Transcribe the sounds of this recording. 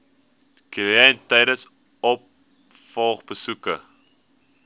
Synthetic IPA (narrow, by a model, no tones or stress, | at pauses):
kiləɛntɛjdəs | ɔp̚ | fɑːχbəsukə